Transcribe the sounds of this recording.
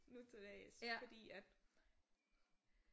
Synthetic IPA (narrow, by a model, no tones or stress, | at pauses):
nut͡sʰed̥ɛɪsfɒ̽d̥ḭːæd̥